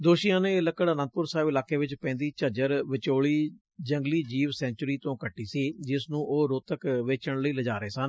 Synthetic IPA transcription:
d̪oːʃijãːnẽːɪləkːəɽənə̃nd̪̚pʊɾsaːɪʋɪlaːkeːʋɪt͡ʃpɛ̃ːnd̪iːt͡ʃəd͡ʒəɾʋɪt͡ʃoːɭiː | d͡ʒəŋɡliːd͡ʒiːʋsɛ̃ːnt͡ʃɾiːt̪õːkəʈːiːsiːd͡ʒɪsnũːʔoːɾoːt̪əkʋeːt͡ʃəɳləiːləd͡ʒaːɾəeːsən

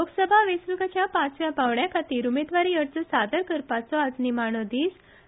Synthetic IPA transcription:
oɡsəbʱaʋesɾuɡat͡ɕjapãt͡sʋjapaʋɳjakʰat̪iːɾumed̪ʋaɾijəɽt͡səsad̪əɾkəɾpat͡sɔad͡znimaɳ̃ɔd̪iːs

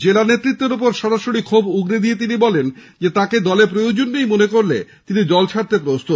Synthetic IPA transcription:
d͡ʑelanet̪ːɾit̪ːeɾop̬oɾʃɔɾaʃoɽikʰobuɡɾed̪iet̪̬inibɔlen | d͡ʑet̪aked̪ɔlep̬ɾojod͡ʑonːejmonekoɾlḛ | t̪inid͡ʑɔlt͡ɕʰaɾt̪ep̬ɾost̪ʰot̪

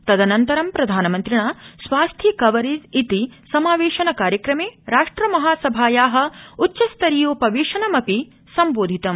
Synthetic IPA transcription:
t̪ɐd̪ɐnɐnt̪ɐɾɐmpɾɐd̪ʱaːnɐmɐnt̪ɾiɳaːsʋaːst̪ʰjikɐʋɐɾid͡ʒit̪isɐmaːʋeːʃɐnɐkaːɾjɐkɾɐmeːɾaːʂʈɾɐmɐɦaːsɐbʱaːjaːɦɐ̆utːʃɐst̪ɐɾijoːpɐʋiːʃɐnɐmɐpi | sɐmboːd̪ʱit̪ɐm

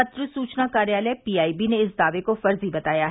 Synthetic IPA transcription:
ɐt̪ɾəsuːt͡ʃnakaːɾjaːləpiːaːibineɪsd̪aːʋekofɐɾzibɐt̪aːjaɦ

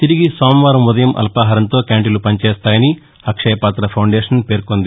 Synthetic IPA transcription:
t̪iɾiɡisaːmʋaːɾɐmud̪ɐjɐmʔɐ̰lpaːɦɐːɾɐnt̪o̞ːkaːɳʈilupɐɲt͡ʃeːst̪aːjɐni | ɐkʂɐjɐpaːt̪ɾɐpʰɐwɳɖeːʂɐnpe̞ːɾkond̪i

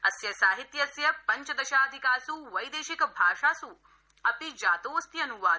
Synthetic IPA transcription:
ɐsjɐsaːɦit̪jɐɐsjɐpɐɲt͡ʃɐd̪ɐʃaːd̪ʱikaːsuʋɐjd̪eːʃikɐbʱaːʃaːsu | ɐpid͡ʒaːt̪oːɐst̪jɐnuʋaː

